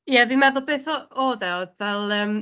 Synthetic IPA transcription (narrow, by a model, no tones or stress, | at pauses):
jɛvimɛðʊlˠbeːθɔoːðɛodvɛlˠəːm